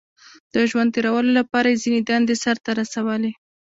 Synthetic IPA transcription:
d̪̥əʒwand̪̚t̪eɾawəlolapɑɾajezined̪and̪esaɾt̪aɾasawəle

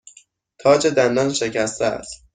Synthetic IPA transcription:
t̪ʰɒːd͡ʒed̪ænd̪ɒnʃe̞cʰæst̪ʰææ̰s

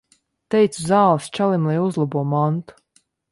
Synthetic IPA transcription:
t̪ɛjt̪suzaːlˠst͡ʃalˠimlˠajuzlˠabuɔmɔnt̪u̥

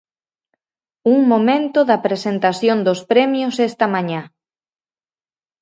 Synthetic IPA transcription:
uŋmomẽnt̪ʊðɐpɾesent̪asjond̪ospɾɛmjosɛst̪ɐmaɲã

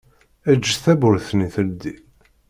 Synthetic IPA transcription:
æd͡ʒːθæbʊɾθniθəld̪i

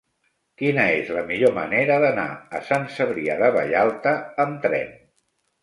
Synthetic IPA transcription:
kinəezləmiʎomə̰neɾəðəna̰əsansəβɾiəðəβə̰ʎalˠt̪əːmt̪ɾɛ̰n

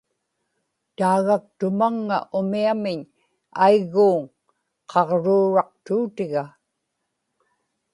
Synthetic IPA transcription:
t̪aːɣak̚t̪ʊmaŋːa̰ʔʊmiamɪɲ | aiɣːuːŋ | qʰɑʁɻuːɻɑq̚t̪uːt̪ɪɣa

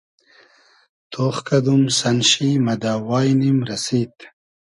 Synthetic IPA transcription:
t̪ʰoːχkɐd̪umsɐnʃimɐd̪aːwɑːjnimɾɐsiːt̪

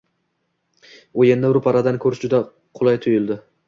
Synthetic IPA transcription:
ojend̪aɾʊpʰaɾad̪ankʲʰɵɾɪʃd͡ʒʊd̪a | qʰʊlˠajt̪ʰʊjɪlˠd̪ɪ

